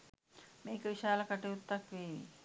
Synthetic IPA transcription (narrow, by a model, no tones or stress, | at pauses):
meːkəʋiʃaːləkaʈejut̪ːakʋeːi